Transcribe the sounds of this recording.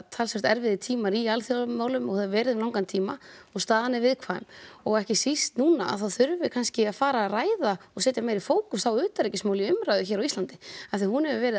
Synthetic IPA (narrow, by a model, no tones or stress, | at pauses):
t̪ʰalsvɛr̥t̪ɛɾvɪðɪt̪ʰiːmaɾialθjɔmaːwlʏmɔɣhaðavɛːɾɪðʏmlawŋkant̪ʰiːmaɔɣst̪aːðanɪvɪðkʰvaːmɔɣɛhcɪsist̪nuːnaa̰ðθawθʏɾvɪkʰanscɪaðfaːɾaraːjðaɔɣsɛːt̪jamɛjɾifoːwkʏsθawʏːt̪aɾɛjcɪsmaːwlɪʏmɾajðʏçɛːɾawist̪lant̪ɪaθijahunhɛvɪvɛːɾɪ